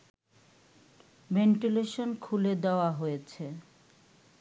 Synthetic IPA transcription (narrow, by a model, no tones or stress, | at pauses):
beɳʈileʃonkʰuled̪eoaɦojet͡ɕʰe